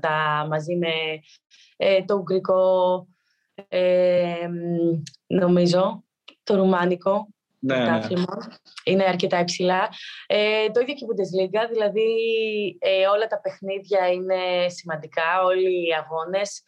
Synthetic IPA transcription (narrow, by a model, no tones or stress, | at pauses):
t̪ɐmɐzime̞ | et̪o̞uɡɾiko̞ | em | no̞mizo̞ | t̪oɾumɐniko̞ | t̪ɐflmɐ | ine̞ɐɾce̞t̪ɐepsilɐet̪o̞iðjo̞cipud̪e̞zliɡɐðilɐði | eo̞lɐt̪ɐpe̞xniðʝɐine̞simɐnd̪ikɐo̞liɐɣo̞ne̞s